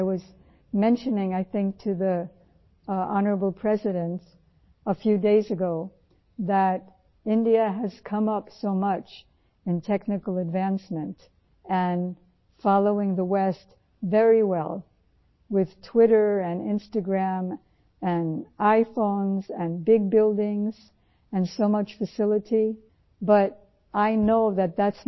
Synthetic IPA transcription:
ɪwʌz | mɛ̃nʃɨnɪ̃ŋaɪθɪ̃ŋk̚tʰɨði | ɑnə˞əbl̩ˠpʰɹ̥ɛzɨɾɨ̃nts | əfjʉdeɪzɨɡoʊ | ðəɾ | ɪ̃ndiɨɨz̥kʰʌ̃mʌpsoʊmʌt͡ʃ | ɨ̃ntʰɛknɨkl̩ˠɨdvæ̃nsmɨ̃nt | ɨ̃n | fɑlˠoʊɪ̃ŋðəwɛst | vɛɹiwɛ̰lˠ | wɪð̥tʰw̥ɪɾə˞ɨ̃nɪ̰̃nstɨɡɹæ̃m | ɨ̃naɪfõʊ̃nzɨ̃nbɪɡ̚bɪlˠdɪ̃ŋz̥ | ɨ̃nsoʊmʌt͡ʃfɨsɪlˠəɾi | bʌɾ | ʔaɪnoʊðɨt̪̚ðæts

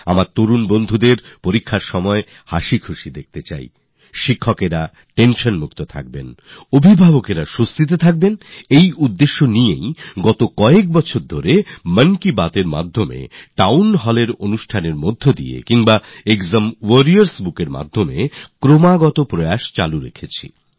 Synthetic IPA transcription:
a̰maɾt̪oɾunbond̪ʱud̪eɾpoɾikʰːaɾʃɔmɔe | haʃikʰuʃid̪ek̚t̪et͡ɕa̰j | ʃikʰːokeɾa | ʈenʃonmuk̚t̪ot̪ʰa̰k̚benobʱibʱabokeɾaʃost̪it̪̬et̪ʰak̚benejud̪ːeʃːonijejɡɔt̪okɔek̚bɔt͡ɕʰoɾd̪ʱoɾemənkibat̪eɾma̰d̪ʱːomḛʈawnɦɔleɾonuʃʈʰaneɾmod̪ʱːod̪ḭḛkiŋbaekzamwoɾiaɾsbukeɾma̰d̪ʱːomḛkɾomaɡɔt̪opɾoaʃt͡ɕa̰luɾḛkʰet͡ɕʰḭ

